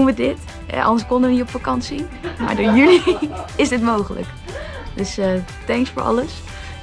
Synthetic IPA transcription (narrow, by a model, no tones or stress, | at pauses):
unʋədɪt | ɛ̰ʔɑ̰ndəɹskɔndəʋənitɔpfakɑnsima̰ːɹdoːɹjyliɪsdɪtmowχələ̰k | d̥øsə | tɛŋksfoːɹʔɑ̰ləs